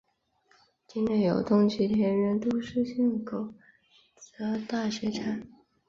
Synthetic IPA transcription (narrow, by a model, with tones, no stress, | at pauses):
t͡ɕi˥nle˥˩jo˨˩ʊt̪ʊ˥ŋt͡ɕʰy˥˩t̪ʰjɛ˧˥nɻə˧˥nt̪u˥ʂ̩˥˧ɕɛ˥˩ŋkʰo˨˩˦ʊ | t͡sɤ˧˥t̪a˥˩ɕɥɛ˧˥ʈ͡ʂʰa˨˩˦n